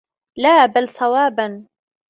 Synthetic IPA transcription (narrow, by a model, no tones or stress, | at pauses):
laːbalsˤɑwaːban